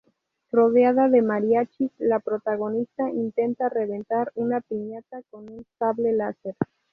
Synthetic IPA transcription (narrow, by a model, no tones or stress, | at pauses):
ro̞ð̞jaðaðe̞maɾjat͡ʃislapɾo̞t̪aɣ̞o̞nist̪aint̪e̞nt̪are̞βe̞nt̪aɾunapiɲat̪ako̞nunsaβlelaseɾ